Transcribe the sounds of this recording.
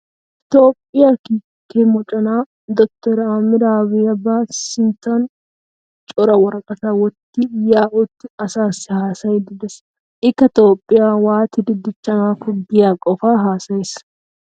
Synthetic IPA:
ʔɪt̪o̞ːpʼːɪjaːkiː | kːemɔt͡ʃʼɔnaː | d̪ɔk̚t̪ɔɾɐamɪɾawɪjɐbaːsɪnt̪ːɐn | t͡ʃʼɔɾɐwɔɾɐkʼɐt̪awɔt̪ːɪjaːʔʊt̪ːɪɐsaːsːɪhaːsɐjd̪ɪd̪ɛs | ʔɪkːɐt̪o̞ːpʼːɪjaːwaːt̪ɪd̪ɪd̪ɪt͡ʃːɐmaːkʊɡɪjaːkʼɔfaːɦaːsɐjs

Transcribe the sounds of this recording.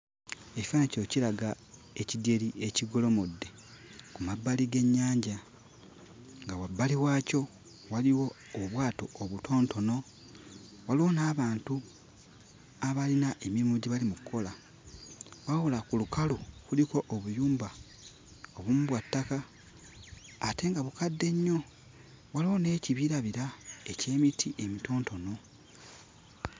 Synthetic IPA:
e̞ci̥faneco̞ciɾaɡa | e̞cidje̞ɾie̞ciɡo̞lo̞mudːe̞kumabːaliɡe̞ɲːaːɲɟa | ŋɡawabːaliwaːco̞ | waliwo̞ːβwaːto̞oβutʰo̞ːnto̞no̞ | walonaːβaːntu | aβalinaʔe̞mimuɟiβalimukukʰːo̞la | wawolakulukalokuliko̞ʔoβujuːmba | o̞βumuβwatːaka | te̞ːŋɡaβukadːe̞ɲːo̞ | waloːne̞ːciβiɾaβiɾae̞ce̞ːmitʰiʔe̞mito̞ːnto̞no̞

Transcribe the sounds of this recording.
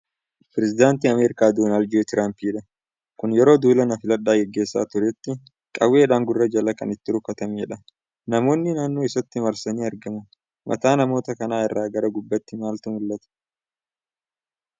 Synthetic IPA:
pɾɛsɪd̪aːnt̪iːɐmeːɾɪkaːd̪oːnaːld̪ot̪ɪɾaːmpiːᶑɐ | kʊnjɛɾo̞ːd̪uːlɐnɐfɪlɐᶑːaːɡɛɡːe̞ːsːa̰ːt̪ʊɾɛt̪ːɪ | kʼɐwe̞ːᶑaːŋɡʊrːɐd͡ʒɐlɐkɐ̰nɪt̪ːɪɾʊkːɐt̪ɐmeɛᶑɐ | nɐmo̞ːnːɪnaːnːoːɪsɐt̪ːɪmɐɾsɐniːɐɾɡɐmɐ | mʔɐ̰t̪aːnɐmo̞ːt̪ɐkɐnaːɪrːaːɡɐɾɐɡʊbːɐt̪ːɪmaːlt̪ʊmʊlːɐt̪ɐ̥

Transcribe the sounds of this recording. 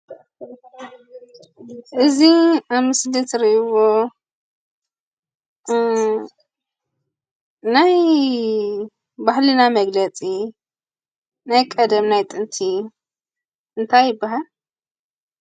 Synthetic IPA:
ʔɨziamɨslit̪ʰɾiβo | naj | bahlɨnamɐɡlɐt͡sʼi | najkʼɐd̪ɐmnajt̪ʼɨnt̪ʰi | ʔɨnt̪ʰajːɪbːaɦal

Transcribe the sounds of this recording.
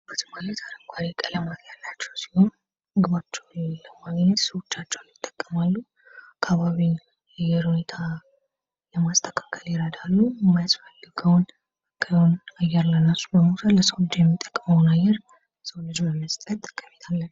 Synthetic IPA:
bət̪ʰmalət̪ʰaɾəŋkʷʰaɾikʼələmaɡɲalːat͡ʃːɛwsi̥ho̞n | ɡɨβat͡ʃːɛwnləmaɡnət̪sɨwot͡ʃːat͡ʃːɛwnjɪt̪ʼːə̥kʼːəmalːu | akʰːaβaβin | ajɛɾhune̞t̪ʰa | ləmast̪ʰə̥kʰḁkʰəljɪɾəd̪alːujɛmːajasfəlːɨɡəwn | kʰəjhonajɛɾlənasubəmut̪ʰələsəwlɨd͡ʒjɛmːit̪ʼːə̥kʼːəməwnajːɛɾ | səwlɨd͡ʒməmːəst̪ʼət̪ʼkʰʼːəmet̪ʰalːən

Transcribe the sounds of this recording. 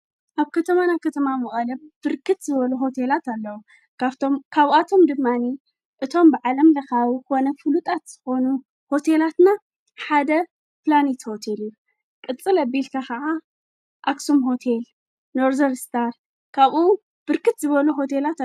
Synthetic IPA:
ʔaβkʰɐt̪ʰɐmanakʰɐt̪ʰɐmamɨχʼɐlɐb̥ɨɾkʰɨt̪zɨβɐluɦo̞t̪ʰe̞lat̪alːɐwu | kt̪omkʰaβat̪ʰo̞md̪ɨmːani | ʔɨt̪ʰo̞mbɨʕalɐmlɐxaβko̞nɐfɨlut̪ʼat̪z̥ɨxo̞nu | ho̞t̪ʰe̞lat̪na | ħad̪ɐ | planit̪ho̞t̪ʰelijːu | kʼɨt͡sʼɨlɐbilkʰakɐʕa | ʔaksumɦo̞t̪ʰel | noɾzɐɾst̪ʰaɾ | kʰaβʔu | b̥ɨɾkɨt̪zɨβɐluɦo̞t̪ʰelat̪

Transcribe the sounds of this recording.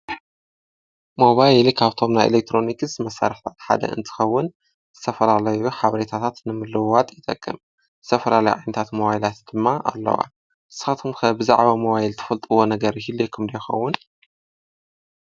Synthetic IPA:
mo̞βajlkʰaβt̪ʰo̞mnajʔḛlek̚t̪ʰɾo̞nikɨsmɐsːa̰ɾɨħt̪ʰat̪ħa̰d̪ɐ̰ʔɨ̰nt̪ʰɨ̥xɐwːʊn | zɨt̪ʰɐfɐlalɐjuħaβɐɾet̪ʰat̪ʰat̪nɨmɨlːɨwat̪ʼjɪt̪ʼɐkʼːɨm | zɨ̥t̪ʰɐfɐlalɐjʕa̰jnɐt̪ʰat̪moβajlat̪d̪̥ɨmːaʔa̰lːɐ̰wa̰ | ɨsxat̪ʰumxɐbɨza̰ʕβamoβajilt̪ʰɐ̥fɐlt̪ʼɨwo̞nɐɡɐɾhilːejkʰɨmd̪ɐjɛxɐ̰wːʊn

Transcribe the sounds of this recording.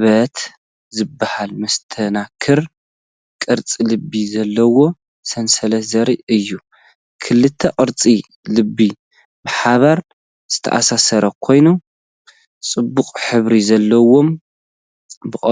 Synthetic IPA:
βɐt̪ | zɨbːahalmɐst̪ʰɐnakʰɨɾ | kʼɨɾt͡sʼilɨbːizɐlːɐwo̞ | sɐnsɐlɐzɐɾiɨjːu | kʰɨlːɨt̪ʰːɐqʼɨɾt͡sʼi | lɨbːi | bɨħaβaɾ | z̥ɨt̪ʰɐ̰ʔa̰sasɐɾɐkʰo̞jnu | t͡sʼɨbːukʼħɨβɾizɐlːɐwo̞m | bɨkʼ

